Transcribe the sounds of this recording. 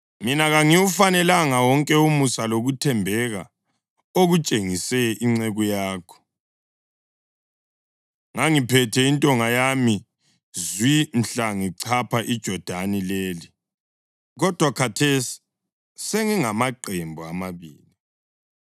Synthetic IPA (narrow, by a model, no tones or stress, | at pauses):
minaɣaŋiufanɛlaŋawɔŋkʼɛumusaloɣutʰɛmbʱɛɣa | oɣut͡ʃʼeŋisɛʔiŋ͡ǀɛɣujaːkʰɔ̥ | ŋaŋipʰɛtʰɛintʼɔŋajami | zwin̩ɬaŋiǀʰapʰaʔid̥ʒ̥ʱɔd̥ʱanileːli | ɣɔd̥ʱwakʰatʰesi̥ | seŋiŋamaǃembʱuamaβḭːli